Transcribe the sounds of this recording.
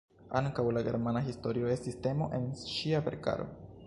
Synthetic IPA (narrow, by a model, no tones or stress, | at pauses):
aŋkawlaɡe̞̰ɾmanaɦisto̞ɾio̞e̞stiste̞mo̞̰ʔe̞nʃiape̞ɾka̰ɾo̞̰